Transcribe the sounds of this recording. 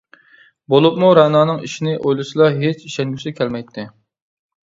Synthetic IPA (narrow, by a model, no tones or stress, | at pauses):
bolˠup̚muɾɑnɑːnɨŋiʃinɪʔojlˠɨsɨlˠɑɦet͡ʃiʃɛŋɡʲysɪkʲʰɛlmɛjt̪ʰːɪ